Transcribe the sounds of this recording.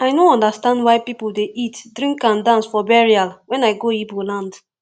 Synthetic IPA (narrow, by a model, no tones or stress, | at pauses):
aɪnoɔ̃ndastãndwaɪpipuldeʔitdɹĩŋkãndãnsfɔbɛɹialwɛ̃naɪɡoibolãnd